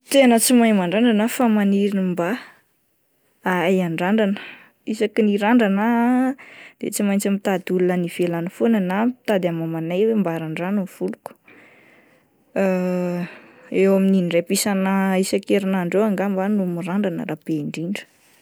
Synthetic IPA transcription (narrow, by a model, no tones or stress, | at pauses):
t̪enət͡simajmaɳɖ͡ʐaɳɖ͡ʐanafamaniɾinimba | aajaɳɖ͡ʐaɳɖ͡ʐanə̥ | isakiniɾaɳɖ͡ʐana | d̪̥et͡simajnt͡samit̪ad̪ulunənivelanifonənamt̪ad̪amamanajwembaɾaɳɖ͡ʐanunv̥uluku̥ | ewamininɖ͡ʐepisanaisakeɾinaɳɖ͡ʐewaŋɡambanumiɾaɳɖ͡ʐanə̰ɾapeiɳɖ͡ʐiɳɖ͡ʐə̥